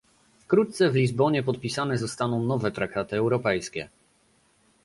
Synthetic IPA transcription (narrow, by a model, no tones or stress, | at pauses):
fkɾut̪t̪sɛvlʲizbɔɲɛpɔt̪̚pʲisanɛzɔst̪anɔ̃w̃nɔvɛt̪ɾak̚t̪at̪ɘɛwɾɔpɛjskʲɛ̰